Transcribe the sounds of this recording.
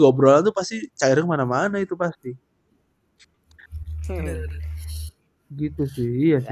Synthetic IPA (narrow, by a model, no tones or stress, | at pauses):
ɡabəɾolat̪upast̪it͡ʃaiɾɪŋmanamanait̪upast̪i | ɡit̪usɪhija